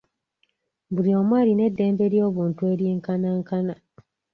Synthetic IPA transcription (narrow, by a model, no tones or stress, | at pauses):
buliomwaline̞dːeːmbeɾjoβuːntueɾjeŋkanaŋkana